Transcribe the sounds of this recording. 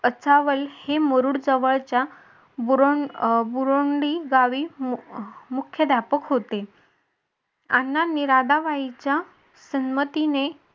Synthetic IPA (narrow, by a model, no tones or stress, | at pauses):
ət͡saʋəlheməɾuɽd͡zəʋəɭt͡ɕja | buɾoɳbuɾoɳɖiɡaʋiː | mukʰjəd̪ʱjapəkɦot̪e | anːaniɾad̪aʋait͡ɕja | sənmət̪ine